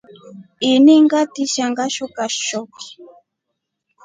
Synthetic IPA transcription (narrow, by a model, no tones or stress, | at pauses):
iniŋɡatiʃaŋɡaʃɔkaʃɔki̥